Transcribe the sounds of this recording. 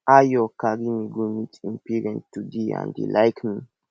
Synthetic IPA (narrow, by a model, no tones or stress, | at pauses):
ajokaɡimiɡumitimpiɾɛ̃ntːudiã̰nd̪ḭlajkʰmi